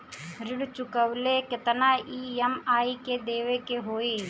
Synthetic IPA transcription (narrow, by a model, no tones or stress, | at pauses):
ɾɪɽt͡ʃʊkəʋlekɪt̪naːiːɐmaːiked̪eːʋekeɦoːeː